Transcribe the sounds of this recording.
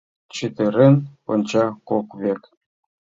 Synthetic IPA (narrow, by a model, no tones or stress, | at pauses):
t͡ɕit̪eɾenonʲt͡ɕɑkokβek